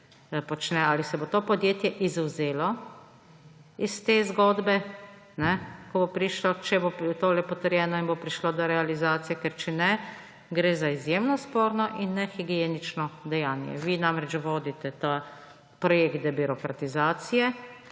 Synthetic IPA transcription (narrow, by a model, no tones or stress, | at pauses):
pɔt͡ʃnɛaːlisɛbot̪opɔd̪jeːt̪jɛʔizuwzeːlɔ | ist̪eːzɡoːd̪bɛ | nɛkɔbopɾiʃlɔt͡ʃɛbot̪oːlɛpɔt̪əɾjɛːnɔinbopɾiʃlod̪ɔɾɛalizaːt̪sijɛkɛɾt͡ʃɛnɛ | ɡɾezaizjemnɔspoːɾnɔʔinːɛxiɡienit͡ʃnɔd̪ɛjaːnjɛ̰ʋiːnamɾɛt͡ʃʋoːd̪it̪ɛt̪a | pɾɔjeːkt̪d̪ɛbiɾɔkɾat̪izaːt̪sijɛ